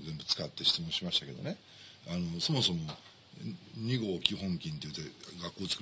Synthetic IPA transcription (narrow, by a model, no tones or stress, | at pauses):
zembɯ̟t͡sɨ̥kat̪ːe̞ɕi̥t͡sɨmõɕimaɕi̥t̪ake̞d̪o̞̰ne̞ | ano̞so̞mo̞so̞mo̞ | ɲ̟iɡo̞ːkʲiɦõ̞ŋkʲĩnt̪e̞jɯt̪ːeɡakːo̞ːt͡sɨ̥kɯ